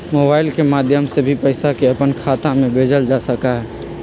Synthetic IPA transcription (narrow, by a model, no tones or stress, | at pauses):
moːbaːɪlkemaːd̪ʱjəmsebʱipəɪsakeəpənkʰaːt̪ãmẽbʱeːd͡ʒəld͡ʒasəkaɦɛː